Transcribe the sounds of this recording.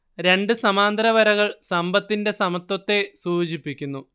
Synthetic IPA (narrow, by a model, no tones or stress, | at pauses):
ɾe̞ɳɖɨsɐmaːnd̪ɐɾɐʋɐɾɐɣɐɭsɐmbɐt̪ːinde̞sɐmɐt̪wɐt̪ːe̞suːt͡ɕipːikʲːunːu